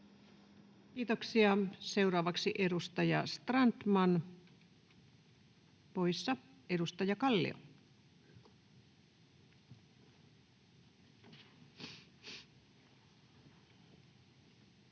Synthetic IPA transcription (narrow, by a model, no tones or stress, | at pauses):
kiːt̪oksiɑseurɑːʋɑksiʔedust̪ɑjɑst̪rɑnt̪mɑn | poisːɑ | eɾust̪ɑjɑkɑlːḭo̰